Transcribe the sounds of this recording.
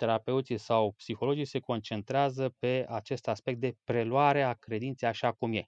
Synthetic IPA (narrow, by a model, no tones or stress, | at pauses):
t̪e̞ɾape̞ut̪sisawpsixo̞lo̞d͡ʒise̞ko̞nt͡ʃe̞nt̪ɾeazəpe̞at͡ʃe̞st̪aspe̞k̚t̪̚d̪e̞pɾe̞luaɾe̞akɾe̞d̪int̪seaʃakumje̞̰